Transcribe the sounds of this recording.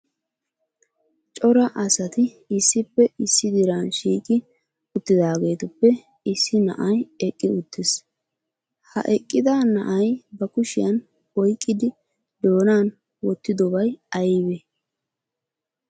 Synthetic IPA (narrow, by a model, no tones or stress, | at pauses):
t͡ʃʼɔɾɐʔɐsɐt̪ɪ | ɪsːɪpːɛɪsːɪd̪ɪɾaːnʃiːkʼɪ | ʊt̪ːɪd̪aːɡe̞ːt̪ʊpːɛ | ɪsːɪnɐ̰ʔɐjɛkʼːɪʊt̪ːɪs | hɐ̰ʔɛkʼːɪd̪aːnɐ̰ʔɐjbɐkʊʃɪjɐn | ɔjkʼːɪd̪ɪ | d̪o̞ːnaːn | wɔt̪ːɪd̪ɔbɐjɐjbɛ